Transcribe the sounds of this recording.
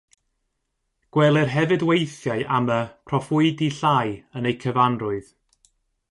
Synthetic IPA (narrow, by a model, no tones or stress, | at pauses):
ɡ̥wɛlˠɛrɦɛvɨdwejθjaɨʔaməpʰrɔfʊɨdiɬaːjənejkʰəvanrʊɨð